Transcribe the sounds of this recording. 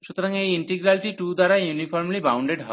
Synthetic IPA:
sut̪ɾãŋeiɳʈiɡɾalʈiʈud̪aɾajunifɔɾmlibaw̃ɳɖeɽɦə̰

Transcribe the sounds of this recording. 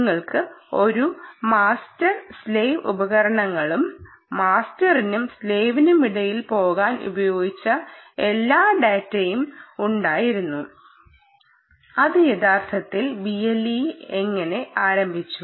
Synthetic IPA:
ŋːɐɭkɨo̞ɾumaːstɐrsle̞ːʋṵbɐɣɐɾɐɳɐŋːɐɭumː | aːstɐrinumsleːʋinumiɽɐjilpo̞ːɣaːnṵbɐjo̞ːɡit͡ɕːɐe̞lːaːɖeːtːɐjumuɳɖaːjiɾunːu | ɐðɨjeðaːrt̪ʰɐt̪ːilbielːieŋːɐne̞ʔaːɾɐmbʱit͡ɕːu

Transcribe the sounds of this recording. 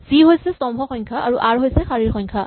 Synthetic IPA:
z̥iɦojsɛstɔmbʱɔxɔjŋkʰaʔaɹuʔaɹɦojsɛxaɹiɹxɔɲkʰa

